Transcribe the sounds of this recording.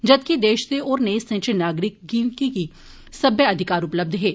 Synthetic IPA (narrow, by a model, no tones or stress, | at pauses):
d͡ʒɐd̪̚kid̪eːʃseɔːɾneːsɐ̃nt͡ʃɪnaːɡɾɪk̚ɡĩːkiki | sɐbjəɐd̪ʱɪkaːɾʊpləb̚d̪ʱɦɛː